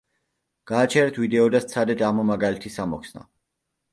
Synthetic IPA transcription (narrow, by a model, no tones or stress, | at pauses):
ɡ̥aːt͡ʃʰɛɾɛt̪ʰvid̪ɛɔd̪ast̪sʰad̪ɛd̪ʰaʁmɔmaɡalɛt̪ʰisamɔkʰsna̰